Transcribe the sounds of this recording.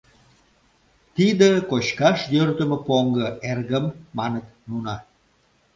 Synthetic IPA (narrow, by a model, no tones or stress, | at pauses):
t̪id̪əkot͡ɕkɑʃjørt̪əmə̆poŋɡə̆erɣəmːɑnət̪nunɑ